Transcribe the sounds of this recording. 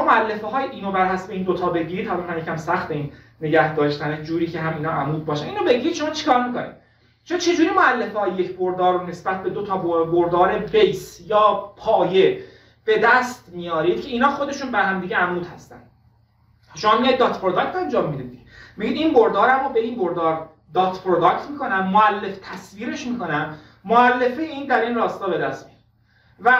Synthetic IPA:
moælːefeɦɒːjʔiːnobæɾɦæsbeiːnd̪ot̪ʰɒːbe̞ɟiːɾiːd̪hælomhæmjecʲʰæmsæxt̪einː | e̞ɟæhd̪ɒːʃt̪æned͡ʒuːɾiːcʰeɦæmiːnɒʔæmuːd̪̚bɒːʃæniːnobe̞ɟiɾid̪̥ʃomɒːt͡ʃʰi̥kʰɒːɾmikʰo̰nḭːd̪̥ | t͡ʃʰont͡ʃʰe̞d͡ʒuːɾiːmoælːefehɒːjejecʰboɾd̪ɒːɾone̞sbæt̪̚ʰbe̞d̪ot̪ʰɒːboboɾd̪ɒːɾebe̞jsjɒːpʰɒːje̞ | b̥e̞d̪æst̪mijɒːɾiːd̪̥̚cʰe̞iːnhɒːxo̞d̪e̞ʃuːnbæɾɦæmd̪iːɟeæmnuːt̪hæst̪æ̰nd̪ | ʃomɒːmiɑj̚d̪ɒːt̪pʰɾod̪ɒkt̪ænd͡ʒɒːmːiːd̪id̪d̪i̥emiɟiːd̪inboɾd̪ɒːɾæmɔːbeinboɾd̪ɒːɾ | d̪ɒːt̪ʰpʰɾod̪ɒkt̪miːkʰo̞næmːoælːe̞ft̪ʰæsviːɾe̞ʃmiːko̞næmː | oælːe̞feiːnd̪æɾiːnrɒːst̪ɒːbe̞d̪æst̪mijɑiɾd̪ | væ

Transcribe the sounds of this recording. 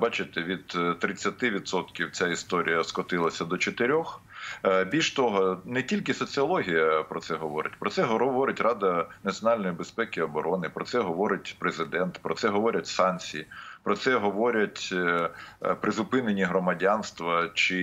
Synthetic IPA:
bɑt͡ʃɪt̪eʋʲid̪t̪ːɾɪt͡sʲːɐt̪ɪʋʲid̪sɔt̪kʲiwt͡sʲaist̪ɔɾʲḭjɐskɔt̪ɪlˠɐsʲɐd̪ɔt͡ʃet̪ɪɾʲɔx | bʲilʲʃt̪ɔɦɔnɛtʲilʲkɪsɔt͡sʲɨɐlˠɔɦʲijɐpɾɔt̪sɛɦɔʋɔɾɪ̰tʲpɾɔtsɛɦɔʋɔɾɪtʲrɑd̪ɐnɐt͡sʲjɔnɑlʲnɔjibespɛkɪɐbɔɾɔnɪpɾɔt̪sɛɦɔʋɔɾɪt̚ʲpɾezɪd̪ɛnt̪pɾɔt̪sɛɦɔʋɔɾʲɐtʲsɑnʲt͡sʲijipɾɔt̪sɛɦɔʋɔɾʲɐtʲ | pɾɪzʊpɪnenʲiɦɾɔmɐdʲanst̪ʋɐt͡ʃɪ

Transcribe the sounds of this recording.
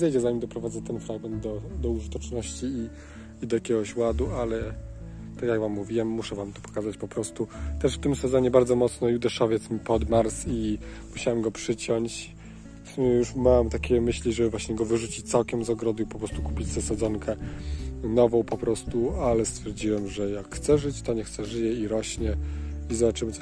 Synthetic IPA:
zɛjd͡ʑɛzaɲimd̪ɔpɾɔvad̪zɛt̪ɛnfɾaɡmɛnd̪d̪ɔd̪ɔuʐɨt̪ɔt͡ʂnɔɕt͡ɕiː | id̪ɔjakʲɛɡɔɕwad̪ualɛ | t̪akjaɡvamːuvʲiwɛmːuʂɛvamt̪ɔ̥pɔ̥kazat͡ɕpɔpɾɔst̪ut̪ɛʂft̪ɘmsɛzɔɲɛbaɾd̪zɔmɔt̪snɔjud̪ɛʂɔvʲjɛt̪smʲipɔd̪maɾsimuɕawɛmɡɔpʂɘt͡ɕɔɲt͡ɕ | fsumʲjɛjuʂmawɛmt̪akʲɛmɘɕlʲiʐɛbɘvwaɕɲɛɡɔvɘʐut͡ɕit͡ɕt̪sawkʲɛmzɔɡɾɔd̪ɨipɔpɾɔst̪ukupʲid͡ʑz̥asad̪zɔŋkʰɛ | nɔvɔ̃w̃pɔpɾɔst̪ualɛst̪fʲjɛɾd͡ʑiwɛmʐɛjakxt̪sɛʐɘt͡ɕt̪ɔɲɛxt̪sɛʐɘjɛiɾɔɕɲɛizɔbat͡ʂɘmɘt̪

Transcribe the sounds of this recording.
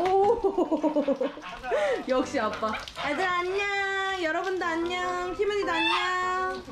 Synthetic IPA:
o | jʌkɕ͈iap͈a | edɯɾaɲːajʌɾʌbundɯaɲɲaçimɯɲidaɲːa

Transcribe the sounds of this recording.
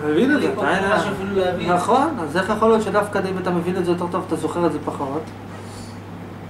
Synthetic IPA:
mevinezeajinafiluavinaχo̞nazeχjaχo̞ljo̞t̪ʃed̪afkad̪imat̪amevintzejot̪̬e̞ʁt̪o̞vat̪azo̞χe̞ʁelze̞paχo̞t̪

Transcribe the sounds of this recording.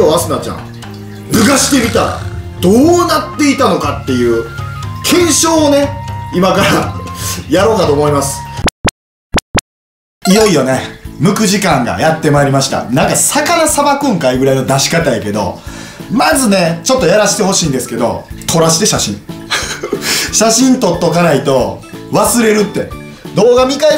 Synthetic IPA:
oːasɨnat͡ɕã̰ŋ | ɡɯ̟ɡaɕi̥t̪e̞ɡʲit̪aɾa̰d̪̥oːnat̪ːe̞it̪ano̞kat̪ːe̞jɯ̟ːkʰẽ̞ɰ̃ɕo̞ːne̞imakaɾa | jaɾo̞ːkat̪o̞ːmo̞imasɨ̥ | ijo̞ijo̞ne̞mɯ̟kɯ̟ʑikãŋɡa̰jat̪ːe̞maeɾʲimaɕi̥t̪a̰nãŋkasakanasabakɯ̟̃ŋkaiɡɯ̟ɾaino̞d̪aɕi̥kat̪aike̞d̪o̞̰ | mazɨne̞t͡ɕo̞t̪ːo̞jaɾaɕi̥t̪e̞ɦo̞ɕiːnd̪e̞sɨ̥ke̞d̪o̰t̪ʰo̞ɾaɕi̥t̪e̞ɕaɕḭ̃ɴ | ɕaɕĩnt̪o̞t̪ːo̞kanait̪o̞ | βasɨɾe̞ɾɯ̟t̪ːe̞ | d̪o̞ːɡamʲika

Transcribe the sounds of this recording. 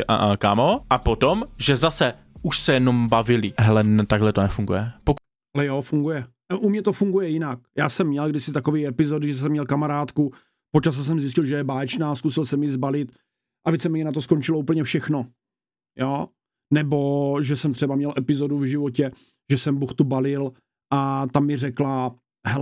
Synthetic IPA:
ʔa̰ʔakamoʔapot̪omʒɛzasɛ | uʃsɛjɛnombavɪlɪɦɛlɛnt̪aɡɦlɛt̪onɛfuŋɡujɛpok | ʔalɛjoːfuŋɡujɛ | ʔumɲɛt̪ofuŋɡujɛjɪnak̚jaːsɛmːɲɛlɡdɪsɪt̪akoviːɛpɪzodɪʒɛs̬ɛmːɲɛlkamaɾaːt̪ku | pot͡ʃas̬ɛs̬ɛmzɪs̬cɪlʒɛjɛbaːɛt͡ʃnaːskusɪlsɛmjizbalɪt̪ | ʔavit͡sɛmɛjɛnat̪o̞skont͡ʃɪlouːp̬l̩ɲɛfʃɛxno̞ | joː | nɛbo̞ʒɛsɛmt̪r̥ɛbamɲɛlʔɛpɪzoduvʒɪvocɛ | ʒ̥ɛsɛmbuxt̪ubalɪl | ʔat̪amːɪrɛkla | ɦɛ

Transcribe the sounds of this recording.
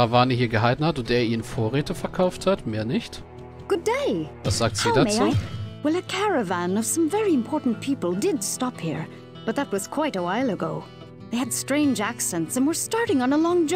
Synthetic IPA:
avaːnihiːɐɡəɦaɪtn̩hatʊnteːɐʔiːʁənfoːɐʁeːtəfɛɐkʰaʊfthatmeːɐnɪçt | ɡ̥ʊdeɪvasz̥aːk̚tz̥iːdamet͡suːwɛlˠɨkʰæɹɨvæ̃nʌv̥sʌ̃ɱvɛɹiɨ̃mpʰɔɹʔn̩pʰipəl̩ˠdɪdstɑphiɹ | b̥ʌt̪̚ðət̚wʌz̥kʰw̥aɪɾəwaɪlˠəɡoʊ | ðeɪɨd̥stɹ̥ẽɪ̃nd͡ʒæksɛ̃ntsə̃nwə˞stɑɹɾɪ̃ŋə̃nəlɔ̃ŋd͡ʒ

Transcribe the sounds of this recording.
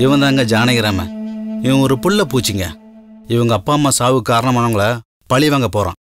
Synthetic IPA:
ɪʋɐ̃nd̪aːŋɡɐd͡ʒaːnɐɣɪɾaːmɐ̰ɪʋɐ̃ɔɾɯpʊɭːɐpuːt͡ʃːɪŋɡɐ̰ɪʋɐŋɡɐːpːaːmaːsaːʋɯkaːɾɐɳɐmɐːnɐŋɡɐɭɐ | pɐɭɪʋaːŋɡɐpoːɾã̰ː

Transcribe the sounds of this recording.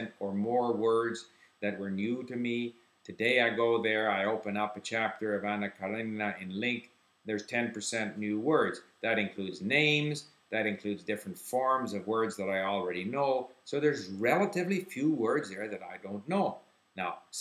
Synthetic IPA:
ntə˞mɔɹwɜ˞dz | ðɨt̚wə˞njʉɾɨmi | tʰɨdeɪaɪɡoʊðə˞aɪoʊpɨ̃nʌpɨt͡ʃʰæp̚tə˞ʌvænɨkʰəlɪ̃ɨɪ̃nlɪ̃ŋk | ðə˞z̥tʰɛ̃npʰə˞sɛ̃nnjʉwɜ˞dzðɨɾɨ̃nkʰl̥udznẽɪ̃mz | ðɨɾɨ̃nkʰl̥ʉdzdɪfɹɨ̃ntfɔɹmzʌvwɜ˞dzðɨɾaɪl̩ˠɹɛɾinoʊsoʊðə˞zɹɛlˠəɾɨvlifjuwɜ˞dzðə˞ðɨɾaɪdõʊ̃nːoʊ | naʊ

